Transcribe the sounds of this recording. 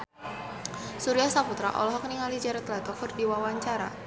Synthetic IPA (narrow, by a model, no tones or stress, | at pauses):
suɾiahsaput̪ɾa̰ʔɔ̰lɔɦɔkniŋalid͡ʒaɾat̪lat̪ɔfɨrdiwawaɲt͡ʃaɾa̰